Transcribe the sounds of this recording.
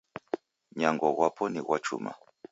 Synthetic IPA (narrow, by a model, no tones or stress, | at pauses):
ɲaŋɡɔɣwapɔniɣwat͡ʃṵma̰